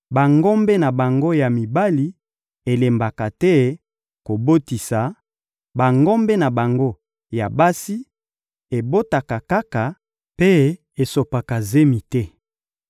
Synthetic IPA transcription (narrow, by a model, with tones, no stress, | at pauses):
ba˨ŋɡɔ˦mbɛ˦na˨ba˨ŋɡo˦ja˨mi˨ba˦li˦ | e˨le˨mba˨ka˨tɛ˦ | ko˨bo˦ti˨sa˨ | ba˨ŋɡɔ˦mbe˦na˨ba˨ŋɡo˦ | ja˨ba˦si˦ | e˨bo˦ta˨ka˨ka˦ka˨ | pe˦ | e˨so˨pa˨ka˨ze˦mi˨tɛ˦